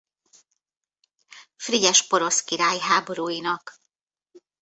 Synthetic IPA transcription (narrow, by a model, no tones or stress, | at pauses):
friɟɛʃpo̞ɾo̞skiɾaːjɦaːbo̞ɾuːjinɒk